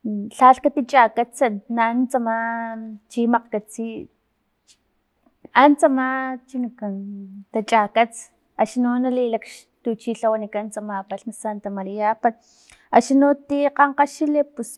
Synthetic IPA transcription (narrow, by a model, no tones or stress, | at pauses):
ɬaɬkat̪it͡ʃʼakat͡sanant͡samat͡ʃimaqkat͡si | ant͡samat͡ʃinikant̪at͡ʃʼakat͡s | aʃnunalilakʃ | t̪ut͡ʃiɬawanikant͡samapaɬnasant̪amaɾiapa | aʃinot̪iqɑɴqaʃilepus